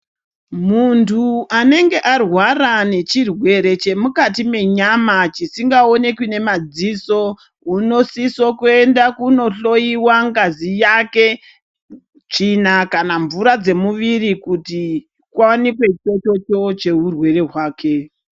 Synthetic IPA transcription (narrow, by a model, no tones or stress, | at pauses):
muntʰuane̞ŋɡe̞ʔarwarane̞t͡ʃirwe̞ɾe̞t͡ʃe̞mukatime̞ɲamat͡ʃisiŋɡao̞ne̞kwine̞mad͡ziso̞ | uno̞sisokuendakuno̞ɬo̞iwaŋɡazijake | t͡ʂinakanaɱvuɾad͡ze̞muʋiɾikuti | kwawanikwe̞t͡ʃo̞t͡ʃo̞t͡ʃo̞t͡ʃe̞ɦurwe̞re̞ɦwaːkʰe̞